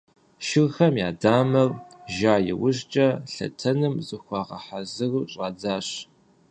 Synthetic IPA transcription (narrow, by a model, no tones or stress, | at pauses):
ʃɪrxɐmja̰ːdaːmɐrʒaːjɪ̰wʊɕt͡ʃʼɐɬɐ̰tʰɐnɨmzɨxʷɑːʁɐ̰ħazɨruɕʼaːd͡zaːɕ